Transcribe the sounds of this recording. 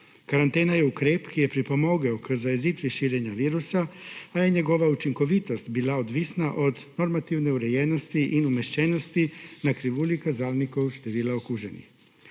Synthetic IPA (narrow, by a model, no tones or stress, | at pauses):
kaɾant̪e̞ːnajeukɾeːpkijepɾipo̞mo̞ɡeokzajezit̪ʋiʃiːɾeɲaʋiːɾusaːjeɲeɡo̞ʋaut͡ʃiŋko̞ʋit̪o̞st̪biːlˠaod̪ʋisnaʔo̞d̪no̞ɾmat̪iʋneuɾejeno̞st̪iʔinumeʃt͡ɕeno̞st̪inakɾiʋulikazaːlnikowʃt̪eʋiːlˠaokuʒenḭx